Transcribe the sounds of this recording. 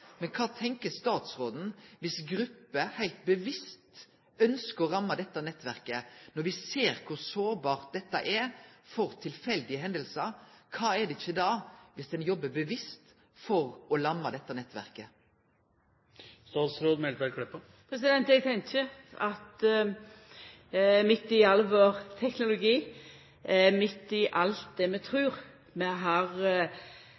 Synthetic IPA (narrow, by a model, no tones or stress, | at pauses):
mɛnkʰɑːt̪ʰɛŋkəst̪ɑːt̪sɾoːd̪nʋɪsɡɾʉpːəhæɪlt̪̚bəʋɪst̪ | œnskəɾɔɾɑmːɑd̪ɛt̪ːɑnɛt̪ːʋæɾkənɔɾʋɪseːɾkʰʊɾsoːɾbɑːʁt̪̚d̪ɛt̪ːɑʔɛɾfɔɾt̪ʰɪlfɛld̪ɪəɦɛnd̪əlsəɾkʰɑːɛɖ̪ɛɪçːəd̪ɑːʋɪsd̪ɛnjɔbːəbəʋɪst̪ | fɔɾɔlɑmːɑd̪ɛt̪ːənɛt̪ːʋæ̰ɾkə | st̪ɑːt̪sɾoːd̪mɛlt̪ʋæɾkʰɽɛpːə | pʰɾɛs̬ɪd̪ɛnt̪ɛɡt̪ʰɛŋçəɑt̪ | mɪt̪ːɪɑlːʋoːɾt̪ʰɛknʊlʊɡiː | mɪt̪ːɪʔɑlt̪̚d̪ɛmɛt̪ʰɾʉːɾ | mɛɦɑʁ